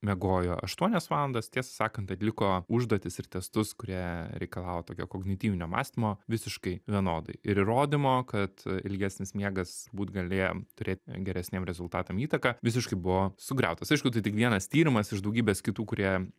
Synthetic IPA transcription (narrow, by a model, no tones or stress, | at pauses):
mʲɛɡoːjoːɐʃt̪uɔnʲɛsʋɑːlˠɐnd̪ɐst̪ʲiɛsɐ̥sɑːkɐnt̪ɐt̪ʲlʲɪkoːʊʒd̪uɔt̪ʲɪsɪt̪ʲɛst̪ʊskʊɾʲiɛɾʲɛɪkɐlˠɑːʋoːt̪oːkʲoːkoɡnʲɪt̪ʲiːʋʲɪnʲoːmɑ̰ːsʲt̪ʲimoːʋʲɪsʲɪʃkɐɪʋʲiɛnoːd̪ɐ̰ɪɪɾiɾoːd̪ʲɪmoːkɐt̪ɪ̰lʲɡʲæːsʲnʲɪsmʲiɛɡɐsʊɾbuːt̪ɡɐlʲeːjo̰t̪ʊɾʲeːt̪ʲɡʲɛɾʲɛsʲnʲeːmɾʲɛzʊlˠt̪ɑːt̪ɐmiːt̪ɐkɑʋʲɪs̬ʲɪʃkɐɪbʊʋoːsʊɡɾʲɛ̰ʊt̪ɐsɐɪʃkʊt̪ɐɪtʲɪkʋʲiɛnɐst̪ʲiːɾʲɪmɐsɪʒd̪ɐʊɡʲiːbʲɛːskʲɪt̪uːkʊɾʲiɛ